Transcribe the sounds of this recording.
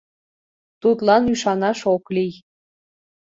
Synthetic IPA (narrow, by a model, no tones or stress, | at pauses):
t̪ut̪lɑnyʃɑnɑʃoklij